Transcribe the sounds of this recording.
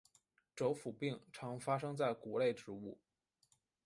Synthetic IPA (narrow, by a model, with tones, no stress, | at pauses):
ʈ͡ʂo˧˥ʊfu˨˩pi˥˩ŋʈ͡ʂʰɑ˧˥ŋfa˥ʂɤ˥ŋt͡sa˥˩ɪku˨˧˥le˥˩ɪʈ͡ʂɻ̩˧˥u˥˩